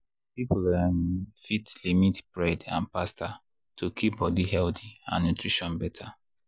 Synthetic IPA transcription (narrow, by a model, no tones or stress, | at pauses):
piplanfitlimitb̥ɹɛdã̰npastʰa | tʰokʰip̚bɔdiɦɛltiã̰nːutɹiʃɔ̃nbɛtʰa